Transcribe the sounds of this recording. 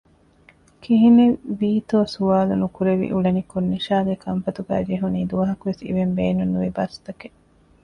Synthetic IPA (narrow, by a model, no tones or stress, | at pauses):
kiɦineʋiːt̪oːsuʋaːlunukuɾeʋḭʔulenikunːiʃaːɡekʰɐmfɐt̪uɡæ̰ːd͡ʒeɦuniːd̪uʋɐɦɐkuʋesḭʋembeːnunːuʋibɐst̪ɐke